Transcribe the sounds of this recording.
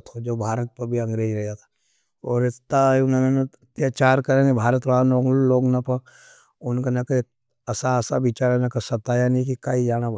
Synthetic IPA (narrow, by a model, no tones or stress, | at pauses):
t̪ʰod͡ʒoːbʱaːɾət̪̚pɐɾbʱiɐ̃ŋɡɾeːd͡ʒɾɛɦjat̪ʰḁ | ɔːɾɪt̪ːaʊnemenɐt̪jaːt͡ʃaːɾkɐɾẽɡebʱaːɾət̪ʋanoːɡloːɡnɐpɐ | ʊnkanɐke | ɐsaɐsabiːt͡ʃaːɾenakɐsɐt̪ːaːjanĩkikaːid͡ʒaːna